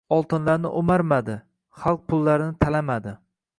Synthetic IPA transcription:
ɒlˠt̪ʰɪnlaɾnɪ̰ʔomaɾmad̪ɪ | χɑlˠq̚pʰʊlːaɾɪnɪt̪ʰalamad̪ɪ

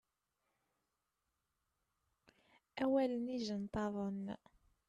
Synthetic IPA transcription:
æwæləniʒənt̪ɑðˤən

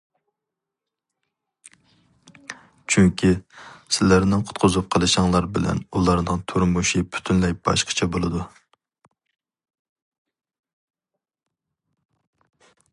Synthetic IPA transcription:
t͡ʃʰyŋkʲʰisɪlæɾnɪŋqʰʊ̥t̪̚qʰʊzup̚qʰəlˠɨʃɑŋlˠɑɾbɪlɛ̰nulˠɑɾnɨŋt̪ʰoɾmuʃɪpʰy̥t̪ʰynlɛjb̥ɑ̰ʃqʰə̥t͡ʃʰɛbolˠɨd̪u

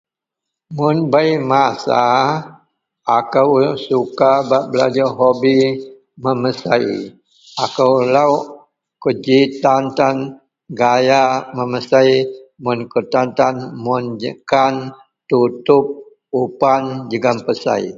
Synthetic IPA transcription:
mʊnbajmasa | akawsukabaʔbla̰d͡ʒaɦobi | məməsa̰j | akawlauʔ | kəd͡ʒit̪ant̪an | ɡajaməməsajmʊnkət̪ant̪anmʊnd͡ʒəkan | t̪ut̪ʊp̚ | upand͡ʒəɡampəsa̰j

